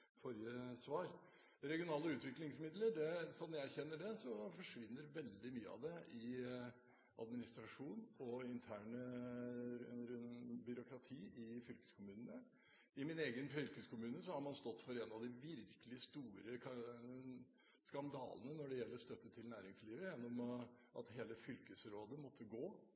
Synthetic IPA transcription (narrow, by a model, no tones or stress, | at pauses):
fɔɾjəsʋɑːɾ | ɾɛɡɪʊnɑːləʉːt̪ʋɪklɪŋsmɪd̪ləɾɖ̪ɛsɔmjæɪæɾçɛnːəɖɛsɔfɔʂʋɪnːəɾʋɛld̪ɪmyːə̰ɑ̰ʋd̪ɛɪ | ʔɑ̰d̪mɪnɪst̪ɾɑʂuːnɔɪnt̪ʰæːɳə | bʏɾʊkɾɑt̪ʰiːʔɪfʏlkə̥skʰʊmʉːnənə | ɪmɪneːɡənfʏlkəskʰʊmʉːnəsɔhɑɾmɑnst̪ɔt̪ːfɔɾɛnɑʋd̪ɪʋɪɾkəlɪst̪uːɾə | skɑnd̪ɑ̰ːlənənɔɖɛjɛlːəɾst̪œt̪ːət̪ʰɪlnæːɾɪŋsliːʋəjɛnːɔm | ʔɑ̰t̪heːləfʏlkəsɾoːd̪əmɔt̪ʰːəɡoː